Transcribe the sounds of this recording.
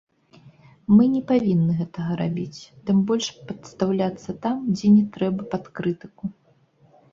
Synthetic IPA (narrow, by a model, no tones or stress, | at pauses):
mɨnʲɛpavʲinːɨɣɛt̪ɐɣɐɾabʲit͡sʲt̪ɨmbɔlʲʂpɐt̪st̪awlʲat̪sːɐt̪amd͡zʲɛnʲɛt̪ɾɛbɐpat̪kɾɨt̪ɨku